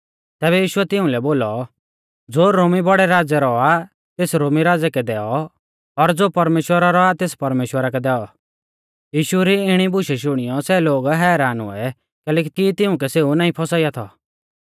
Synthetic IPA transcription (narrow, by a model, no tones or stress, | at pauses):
t̪ɛːβɛjiːʃʊɛt̪ɪʊ̃lɛboːlɔ | d͡zoːɾoːmibɔɽɛɾaːd͡zɛɾɔa | t̪eːsɾoːmiɾaːd͡zɛkɛd̪ɛːɔ | ɔɾd͡zoːpɐɾmeːʃwəɾaɾɔat̪eːspɐɾmeːʃwəɾakɛd̪ɛːɔ | jiːʃuɾiɪɽ̃ibʊʃɛʃʊɽ̃ɪjɔsɛloːɡɦɛːɾaːnʊ̰ɛ | kɛːlɛːk̬it̪it̪ɪʊ̃k̬ɛseːunaːĩpʰɔsaːijat̪ʰɔ̰